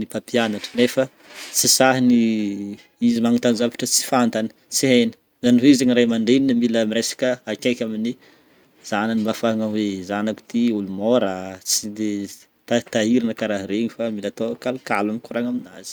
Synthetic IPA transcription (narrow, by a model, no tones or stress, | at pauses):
nipapʰianaʈ͡ʂə̥nefə | t͡sisaɦini | izimaŋut̪anzavi̥ʈ͡ʂət͡si̥fant̪anə̥ | t͡siɦenə̥ | zaniɦeizeɲiɾajmaɳɖ͡ʐeninamiləmiɾesḁkəakʲakʲamini | z̥aninimafaŋawezanaku̥t̪iulumoɾat͡sid̪e | t̪at̪aiɾinəkaɾaɦiɾeɲifamilat̪okalkalamikuɾaŋamina̰z̥i̥